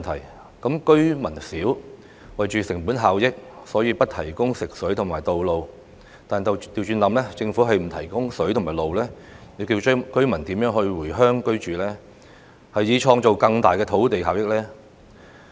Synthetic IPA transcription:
nt̪ʰɐ˨˩j | kɐ˨˥mkɵ˥ɥmɐ˨˩nsiː˨˥w | wɐ˨jt͡ʃyː˨sɪ˨˩ŋpuː˨˥nɦaː˨wjɪ˥k̚sɔː˨˥jiː˧pɐ˥t̚t̪ʰɐ˨˩jkʊ˥ŋsɪ˨k̚sɵ˨˥ɥt̪ʰʊ˨˩maː˨˩jt̪o˨wlo˨˧w | t̪aː˨nt̪t̪iː˨wt͡ʃyː˧nlɐ˨˧mlɛː˥t͡sɪ˧ŋfu˨˥ɦɐ˨jm̩˨˩t̪ʰɐ˨˩jkʊ˥ŋsɵ˨˥ɥtʰʊ˨˩ŋmaː˨˩jlo˨wlɛː˥ | ne˨˧kiː˧wkɵ˥ɥmɐ˨˩nt̪iː˨˥mjœː˨˥ŋhɵ˧ɥwuː˨˩jɦœː˥ŋkɵ˥ɥt͡ʃyː˨lɛː˥ | hɐ˨jːiː˨˧t͡ʃʰɔː˧ŋt͡ʃo˨wkɐ˧ŋt̪aː˨jkɛː˧t̪ʰo˨˥wt̪e˨jɦaː˨wjɪ˥k̚lɛː˥

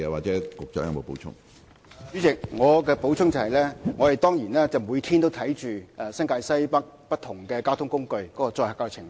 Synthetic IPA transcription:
ɛː˨˧waː˨k̚t͡sɛː˨˦˥kʊ˨k̚t͡sɐ˨˥jɐ̰˨˧ŋmo˨˧wpo˨˥wt͡ʃʰʊ̰˥ŋ | yː˨˥t͡sɪ˨k̚ŋɔː˨˧kɛː˧po˨˧˥wt͡ʃʰʊ˥ŋt͡sɐ˨˩hɐ˨jlɛː˥ŋɔ˨˧hɐ˨jt̪ɔː˥ŋjiː˨˩nɛː˥t͡sɐ˨wmuː˨˧jt̪ʰiː˥nt̪o˥wt̪ʰɐ˨˥jt͡ʃyː˨ɛ˧sɐ˥ŋkaː˧jsɐ˥jpɐ˥k̚pɐ˥t̪̚ʰʊ˨˩ŋkɛː˧kaː˥wt̪ʰʊ˥ŋkʊ˥ŋkɵ˧ɥkɔː˨˦˥kɔː˧t͡sɔː˧jhɐː˨kaː˧wt͡sʰɪ˨˩ŋ

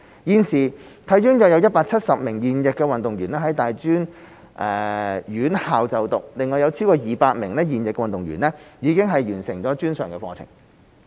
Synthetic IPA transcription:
jiː˨nsiː˨˩ | t̪ʰɐ˨˥jyː˥ŋjœː˨˧k̚jɐ˧wjɐ˥t̚paː˧k̚t͡sʰɐ˥t̚sɐ˨p̚mɪ˨˩ŋjiː˨njɪ˨kːɛː˧wɐ˨nt̪ʊ˨ŋjyː˨˩nɛː˥ɦɐ˨˥jt̪aː˨jt͡ʃyː˥n | ʔɛː˨jyː˨˥nhaː˨wt͡sɐ˨wt̪ʊ˨k̚lɪ˨ŋːɔː˨˩jɐ˨˧wt͡sʰi˥wkɔː˧jiː˨˩paː˧t̚mɪ̰˨˩ŋlɛː˥jiː˨njɪ˨kːɛ˧wɐ˨nt̪ʊ˨ŋɥy̰ː˨˩nɛː˥jiː˨˧kɪ˥ŋɦɐ˨jɥyː˨˩nsɪ˨˩ŋt͡ɕɔː˨˥t͡ʃyː˥nsœː˨˩ŋkɛ˧fɔ̰ː˧t͡sʰɪ̰˨˩ŋ

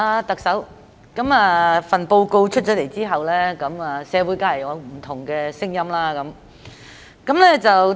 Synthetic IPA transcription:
aː˧t̪ɐ˨k̚sɐ˨˥w | kɐ˨˥maː˨fɐ˨npo˧wko˧wt͡ʃʰt̚t͡ʃɔː˨˥le˨˩jt͡siː˥ɦɐ˨wlɛː˥kɐ˨˧˥maː˨sɛː˨˧wuː˨˥jkaː˧˥lɐ˨˩jɐ˨˧wm̩˨˩t̪ʰʊ˨˩ŋkɛː˧sɪ˥ŋjɐ˥mlaː˥kɐ˨˥m | kɐ˨˥mlɛː˥t͡sɐ˨w

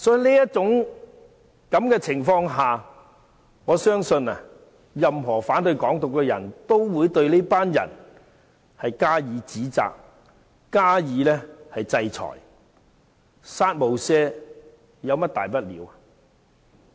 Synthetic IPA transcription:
sɔː˨˥ji˨˧liː˥jɐ˥t̚t͡sʊ˨˥ŋ | kɐ˨˥mkɛː˧t͡sʰɪ˨˩ŋfɔː˧ŋɦaː˨ | ŋɔː˨˧sœː˥ŋsɵ˧nɐ˨ | jɐ˨mɦɔː˨˩faː˨˥nt̪ɵ˧ɥkɔː˨˥ŋt̪ʊ˨kːɛː˧jɐ̰˨˩nt̪o˥wwuː˨˧jt̪ɵ˧ɥliː˥paː˥njɐ̰˨˩n | hɐ˨jkaː˥jiː˨˧˥t͡siː˨˥t͡sa̰ː˨k̚ | kaː˥jiː˨˥lɛː˥hɐ˨jt͡sɐ˧jt͡sʰɔ̰ː˨˩j | saː˥t̚mo˨˧wsɛː˥ | jɐ˨˧wmɐ˥t̚t̪aː˨jpɐ˥t̚lḭː˨˥wɐ˨

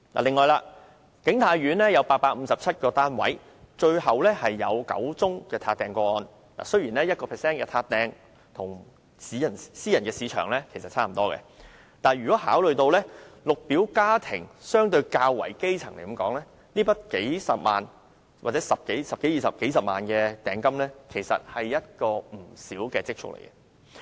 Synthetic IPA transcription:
la̰ː˨˩lɪ˨ŋːɔː˨˧jlaː˧ | kɪ˨˥ŋt̪ʰaː˨˧˥jɥyː˨˥nlɛː˥jɐ˨˧wpaː˧t̚paː˧k̚m̩˨˧sɐ˨p̚t͡sʰɐ˥t̚kɔː˧t̪aː˥nwɐ̰˨˥j | t͡ʃɵ˧ɥhɐ˨wlɛː˥hɐ˨jːɐ̰˨˧wkɐ̰˨˥wt͡sʊ˥ŋkɛː˧t̪ʰaː˧t̪ɛː˧ŋkʷɔː˧ɔː˧n | la̰ː˨˩sɵ˥ɥjiː˨˩nlɛː˥jɐ˥t̚kɔː˧pʰɛː˨˩sɛː˥nkɛː˧t̪ʰaː˧t̚t̪ɛː˧ŋ | t̪ʰʊ˨˩ŋ | siː˨˥jɐ˨˩nsiː˥jɐ˨˩nkɛː˧siː˨˧t͡ʃʰœ̰ː˨˩ŋlɛ˥kʰe˨˩sɐ˨t̚t͡sʰaː˥m̩˨˩t̪ɔː˥kɛ̰˧ | t̪aː˨˩nɥyː˨kɔː˨˥ɦaː˨˥wlɵ˨ɥt̪o˧wlɛː˥lʊ˨k̚piː˨˥wkaː˥t̪ʰɪ˨˩ŋsœː˥ŋt̪ɵ˧ɥkaː˧wːɐ̰˨˩jke˥jt͡sʰɐ˨˩ŋle˨˩jkɐ˨˦mkɔ̰ː˨˥ŋlɛː˥ | niː˥pɐ˥t̚ke˨˥jsɐ˨p̚ma̰ː˨n | waː˨t̚t͡sɛː˨˥sɐ˨p̚ke˨˥jsɐ˨p̚ke˨˥jiː˨sɐ˨p̚ke˨˥js̬ɐ˨p̚ma̰ː˨nkɛː˧t̪ɛː˨ŋkɐ˥mlɛː˥kʰe˨˩jsɐ̰˨t̚hɐ˨jːɐ˥t̚kɔː˧m̩˨˩siː˨˥wkɛː˧t͡sɪ˥k̚t͡ʃʰʊ̰˥k̚lḛ˨˩jkɛ˧

